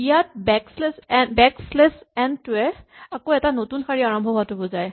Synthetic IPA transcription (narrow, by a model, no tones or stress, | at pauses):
ijat̚bɛkslɛsbɛkslesɛntʊɛakoɛtanotunxaɹiaɹɔmbʱɔɦatʊbɔzaj